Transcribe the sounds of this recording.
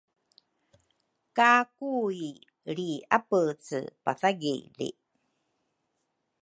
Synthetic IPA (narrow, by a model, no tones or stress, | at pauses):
kakui | ɾiapət͡sɨ̰pa̰θaɡḭlḭ